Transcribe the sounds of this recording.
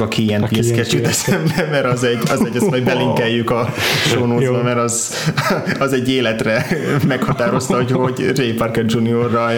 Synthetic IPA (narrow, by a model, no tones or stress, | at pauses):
ɒkʰiɛniɛskɛt͡ʃit̪ɛsɛmbɛmɛɾɒzɛɟɒzɛɟːɛsoɟbɛliŋkɛjːykɒʃonoːzbɔmɛɾɒz | ɒzɛɟːeːlɛt̪rɛmɛkhɒt̪aːɾo̞st̪ɒɦocho̞ɟrejpɒrkɛt̪d͡ʒuniorːɒ